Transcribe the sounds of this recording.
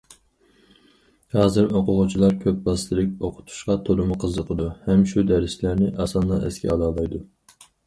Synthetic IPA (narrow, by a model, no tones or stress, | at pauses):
hɑːzɨɾoqʰʊʁʊt͡ʃʰilˠɑɾkʲʰøp̚bɑst̪ʰɨlɪk̚ʲoqʰʊ̥t̪ʰu̥ʃqɑt̪ʰolˠumʊqʰəzːəqʰəd̪uhɛmʃud̪ɛɾɪslæɾnɪʔɑsɑnːɑɛ̰skʲʰɛ̰ɑlˠɑːlˠɑjd̪u